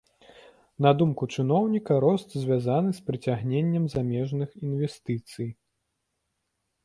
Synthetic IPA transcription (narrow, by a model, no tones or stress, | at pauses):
nɐd̪umkut͡ʂɨnɔwnʲikɐɾɔst̪zʲvʲazanɨspɾɨt͡sʲaɣnʲenʲːɐmzamʲɛʐnɨxinvʲɛst̪ɨt̪sɨj